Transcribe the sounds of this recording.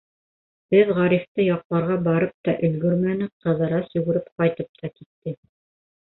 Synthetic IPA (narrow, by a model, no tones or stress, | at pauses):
b̥ɘðʁɑɾift̪ɤjɑqlˠɑɾʁɑbɑɾɤp̚t̪ɑʔɵ̆lɡɵɾmænɘqɤ̆ðɤ̆ɾɑsɵ̆ɡɵ̆ɾɘpqɑjt̪ɤp̚t̪ɑkit̪ːɘ